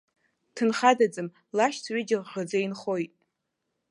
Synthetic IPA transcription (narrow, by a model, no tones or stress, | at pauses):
tʰɨnχadad͡zɨm | laʃt͡sʰɥʷɪd͡ʒɪʁʁəd͡zajnχo̞jtʼ